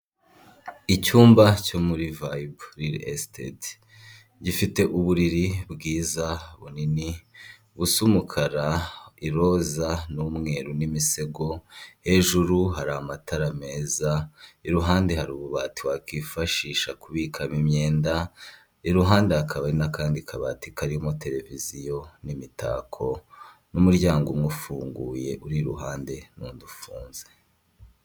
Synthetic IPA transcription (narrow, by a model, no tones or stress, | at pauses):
icuːmbacomuɾivajbɾiɾḛstḛd | ɟifite̞ʔuβuɾiɾibɡiːzaβunini | βusumukʰaɾaiɾozanumŋe̞ːɾunimise̞ɡo̞he̞ʒuɾuɦaɾaamatʰaɾame̞ːzaiɾuɦaːnde̞haɾuːβuβatiwakiːfaʃiːʃakuβiːkʰamimɲe̞ːnda | iɾuɦaːndeakʰaβaɾinakaːndikʰaβa̰tikaɾihomotʰe̞ɾe̞vizijo̞nimita̰kʰo̞ | numuɾɟaːŋɡumŋufuːŋɡuːje̞ʔuɾiɾṵɦaːnde̞nuːndufuːnze